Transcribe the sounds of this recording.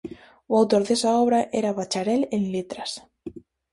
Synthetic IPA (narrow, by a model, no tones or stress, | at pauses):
wawt̪oɾðesaɔβɾaʔeɾaβat͡ʃaɾelenlet̪ɾas